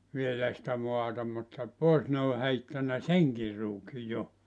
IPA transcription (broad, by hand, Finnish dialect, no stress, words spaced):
ʋielæˑ sĭtæ moɑtɑ mutːɑ poˑes ne ol heitːænæ seŋkir ruːki jo